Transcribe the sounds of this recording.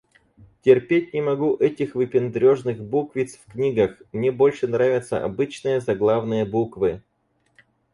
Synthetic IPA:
tʲɪrpʲet̚ʲnʲɪmɐɡuʔɛtʲɪxvɨpʲɪnd̪ɾʲo̞ʐnɨxbukvʲɪt̪sfknʲiɡəxmnʲebo̞lʲʂɨnɾavʲɪt̪sə̰ʔɐ̰bɨt͡ɕnɨjəzɐɡlˠavnɨjəbukvɨ

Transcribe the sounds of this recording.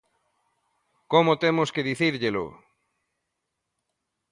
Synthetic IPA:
komot̪emʊskeðiθiɾʎelʊ̰

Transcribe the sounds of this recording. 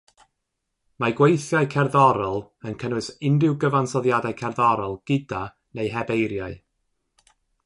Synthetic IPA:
maɡwejθjaɨkʰɛrðɔɾɔlˠənkʰənwɨsɪndɪwɡəvansɔðjadaɨkʰɛrðɔɾɔlˠɡ̥ɪda | nejɦɛbejɾjaɨ

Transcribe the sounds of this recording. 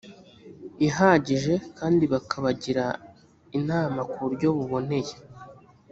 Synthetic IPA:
iɦaːɟiʒe̞kaːndiβakʰaβaɟiɾa | inaːmakuɾɟo̞βuβo̞ne̞je̞

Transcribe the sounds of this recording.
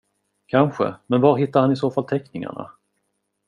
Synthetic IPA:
kʰanɧə̰mɛnvaɾɦɪt̪ːaɾhanɪsoːfalt̪ʰɛknɪŋa̰ɳa̰

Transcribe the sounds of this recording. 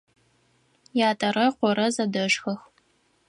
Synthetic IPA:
jaːtʰʼɐrɐqʷɔɾɐzɐdɐʂxɐx

